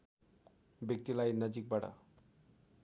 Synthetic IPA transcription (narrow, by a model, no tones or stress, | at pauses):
bjʌk̚t̪ilajnʌd͡zik̚baʈʌ̰